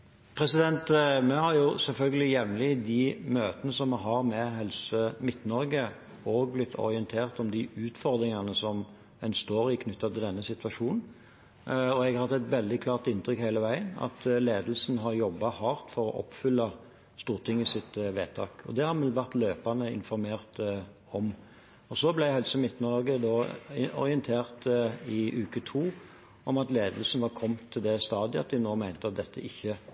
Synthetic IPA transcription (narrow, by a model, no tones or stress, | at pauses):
pʰɾɛsɪd̪ɛnt̪mɛhɑɾjʊsɛlfœlɡəlɪjɛʋnlɪd̪ɪmøːt̪ənəsɔmɑɦɑɾmɛɦɛlsəmɪt̪ːnɔɾɡə | oːɡ̚blɪt̪ʰːɔ̰ɾɪənt̪ʰeːʁt̪ɔmd̪ɪʉːt̪fɔɾd̪ɾɪŋɑnəsɔm | ɛnst̪oːɾɪkʰnʉt̪ːɑt̪ʰɪld̪ɛnːəsɪt̪ʋɑʂuːnn̩ | ɔɛɡhɑhɑt̪ːɛt̪ʋɛld̪ɪkʰlɑːʁt̪ɪnt̪ʰɾʏkhæɪləʋæɪənɑ̰t̪leːd̪lsn̩ɦɑɾjɔbːɑhɑːʁt̪fɔɾɔ̰ʔɔ̰pːfʏlːɑ | st̪uːɾt̪ʰɪŋːɪsɪt̪ʋḛːt̪ʰɑːkɔ̰d̪ɛhɑɾmɛlʋæʁt̪løːpɑnəɪ̰nfɔɾmeːʁt̪ | ɔm | ɔsɔblæɪhɛlsəmɪt̪ːnɔɾɡəd̪ɔːɔ̰ɾɪənt̪ʰeːʁt̪ɪʔʉːkət̪ʰuː | ɔmɑt̪leːd̪əlsn̩ʋɑkʰɔmːt̪ʰːɪld̪ɛst̪ɑːd̪ɪɑt̪̚d̪ɪnoːmæɪnt̪əɑt̪̚d̪ɛt̪ʰːə̰ʔɪçːə